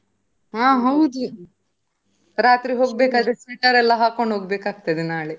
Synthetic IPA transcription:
ɦãːɦɐwd̪u | ɾaːt̪ɾiɦoːɡbeːkaːd̪ɾesiːʈɐɾɛlːɐɦaːkoɳɖɦoːɡbeːkaːɡ̚t̪ɐd̪enaːɭe

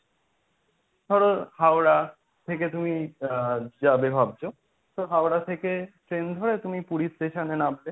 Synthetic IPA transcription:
t̪ɔɽohawɾa | t̪ʰeket̪umi | d͡ʑabebʱab̚d͡ʑʰo | t̪oɦawɾat̪ʰekeʈɾend̪ʱoɾet̪umipuɾisʈeʃanenabːe

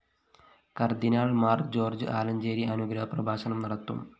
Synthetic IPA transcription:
kɐrd̪inaːɭmaːrkd͡ʑo̞ːrd͡ʑɨʔaːlɐɲd͡ʑeːɾiɐnuɡɾɐɦɐprɐbʱaːsɐɳɐmnɐɽɐt̪ːṵm

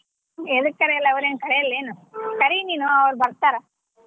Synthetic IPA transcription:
eðukːɐɾeɛlːɐɐʋɐɾeːnkɐɽɐjɐlːeːnukɐɾiniːnuɐʋɐɾubɐɾt̪aːɾɐ

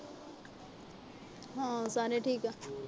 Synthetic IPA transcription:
ɦãsaːneʈʰiːka

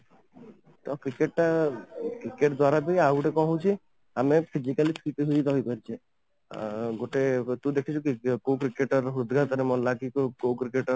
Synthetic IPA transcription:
t̪ɔkɾikeʈːakɾikeʈd̪waɾabʱiauʈekɔ̃ɦõt͡ʃʰi | amepʰid͡ʒikalipʰiʈiɦuid̪ɔɦipəɾt͡ʃʰe | ɡoʈet̪ũd̪ekʰit͡ʃʰukikok̬ɾikeʈɔɾɦɾud̪ʱɡat̪ɔɾemɔlakikkokɾikeʈɔ

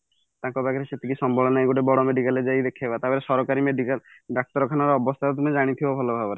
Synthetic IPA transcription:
t̪ãŋkɔbaɡɔɾeset̪ikisɔmbʱɔɭɔnaeɡuʈebɔɽɔmeɖikaled͡ʒajd̪ekʰiebat̪apeɾesɔɾɔkaɾimeɖikalɖak̚t̪ɔɾɔkʰanaɾɔːbɔst̪ʰat̪ɔt̪umed͡ʒaɽ̃it̪ʰibɔbʱɔlɔbʱabɔɾe

